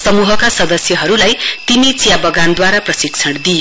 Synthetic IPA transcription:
sʌmuɦʌkasʌd̪ʌsjʌɦʌɾulajt̪init͡sijabʌɡand̪waɾaprʌsikt͡sʰʌɽd̪ijo

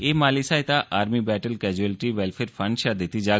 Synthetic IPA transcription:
eːmaːlisaːɪt̪aʔaːɾmibɛːʈəlkɛːd͡ʒuɛlʈiʋɛːlfʰeːɾfʰɐ̃ɳɖʃad̪et̪id͡ʒaː

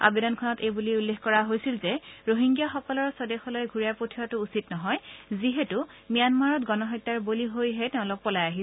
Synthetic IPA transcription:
a̰bedɔnkʰɔnɔtejbuliulːexkɔɹaɦojsilzɛɹoɦiŋɡjaxɔkɔlɔɹsɔdɛxɔlojɡʱuɹiapotʰiɹatʊːsitnɔɦɔjziɦetumijanmaɹɔtɡɔnɔɦɔjtːaɹboliɦojɦɛtɛʊ̃lʊk̚pɔlajaɦi

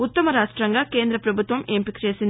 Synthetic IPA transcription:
ut̪ːɐmɐɾaːʂʈɾɐŋɡɐkeːnd̪ɾɐpɾɐbʱut̪ʋɐmeːmpikɾjɐsin

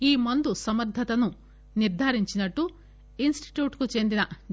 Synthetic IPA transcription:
iːmɐnd̪usɐmɐɾd̪ʱɐt̪ɐnu | niɾd̪ʱaːɾiɲt͡ʃinɐʈːu | insʈi̥ʈjuːʈkut͡ʃend̪inɐ

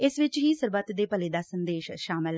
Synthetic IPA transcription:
ɪsʋɪt͡ʃɦiːsəɾbət̪d̪eːpəleːd̪aːsənd̪eːʃʃaːmɪl

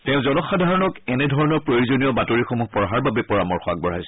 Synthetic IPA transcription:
tɛʊ̃zɔnɔxadʱaɹɔnɔkɛnɛdʱɔɹɔnɔɹpɹojozonijɔbatoɹixomuɦpɔɹɦaɹbabɛpɔɹamɔɹxɔak̚bɔɹajsɛ

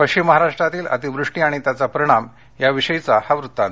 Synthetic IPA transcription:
pəkɕt͡ɕimːəɦaɾaʂʈɾat̪iːlə̰t̪iʋɾuʂʈiaɽ̃it̪jat͡sapəɾiɽ̃am | jaʋiɕəjt͡sahaʋɾut̪ːãn

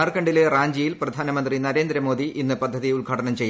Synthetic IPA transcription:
ɐrkɐɳɖileraːɲd͡ʑijilprɐd̪ʱaːnɐmɐnd̪rinɐɾe̞ːnd̪ɾɐmo̞ːd̪iʔinːɨpɐd̪ʱːɐðiuɭɡʱaːʈɐnɐmt͡ɕe̞jː

